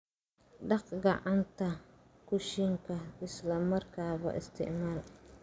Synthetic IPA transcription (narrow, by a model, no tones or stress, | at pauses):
ɖɑqɡɑʕant̪ʰɐ | kʰʊʃɪŋkʰɐɪslɐmɐrkʰaːβɐ̰ʔɪ̰st̪ʰɪ̰ʕmaːl